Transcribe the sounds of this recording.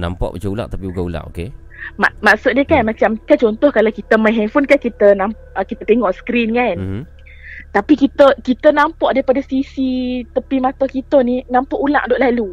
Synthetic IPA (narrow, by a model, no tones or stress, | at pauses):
nã̰mpɔ̰ʔbat͡ʃəula̰ʔt̪apiuɡaula̰ʔoke | maʔmaʔsʊʔ̪̚niəkanmat͡ʃamkat͡ʃɔnt̪ɔhkalawkit̪əmajɦɛfɔnkahkit̪ənam | ʔəkit̪ət̪eŋɔʔsə̥kɾinkan | t̪apikit̪əkit̪ənampɔʔdaɾipadasisit̪əpimat̪ɔhkit̪əninãmpɔʔula̰ʔdɔʔlalu